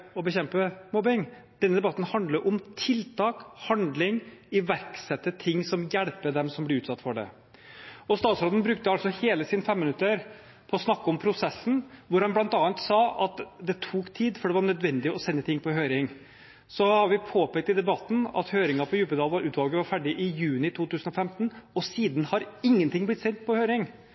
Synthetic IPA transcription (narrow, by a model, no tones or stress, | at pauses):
ɔbəçɛmpəmɔbɪŋd̪̥ɛnəd̪ɛbɑt̪ːn̩hɑnd̪ləʔʊmt̪ʰɪlt̪ʰɑːkhɑnd̪lɪŋɪʋæɾksɛt̪ːət̪ʰɪŋːsɔmjæɽpəd̪ɛmsɔmblɪɾʉːt̪sɑt̪ːfɔɖɛ̰ | ɔst̪ɑːt̪sɾoːd̪ən̩bɾʉk̚t̪əɑlsɔheːləsiːnəfɛmːɪnʉt̪ːəɾ | pʰɔːsnɑkːɔmpʰɾʊsɛsːn̩ʋʊɾhɑnblɑnt̪ɑːɑnt̪sɑːɑt̪d̪ɛt̪ʰuːkt̪ʰiːd̪fɔɖɛʋɑɳœd̪ʋɛnd̪ɪɔsɛnːət̪ʰɪŋːpʰɔɦøʏɾɪŋ | sɔhɑɾʋɪpʰoːpɛk̚t̪ɪd̪ɛbɑt̪ːn̩ɑ̰t̪høːɾɪŋɑpʰɔjʉːpəd̪ɑːlʋɑɾʔʉːt̪ʋɑlɡəʋɑɾfæɖɪʔɪjʉːnɪt̪ʰuːt̪ʉːsənɔfɛmt̪nɔsiːd̪n̩hɑɾɪŋːənt̪ʰɪŋːblɪt̪sɛnt̪̚pʰɔhøʏɾɪŋ